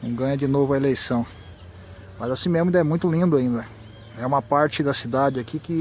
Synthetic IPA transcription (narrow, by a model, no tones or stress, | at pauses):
nɐ̃w̃ɡɐ̃ɲɐd͡ʒɪnovɐelejsɐ̃w̃ | mɐzasĩmezmʊĩd̪ɛmũj̃t̪ʊlĩnd̪ʊaĩnd̪ɐ | ɛũmɐpaɾt͡ʃɪd̪ɐsid̪ad͡ʒɪakikɪ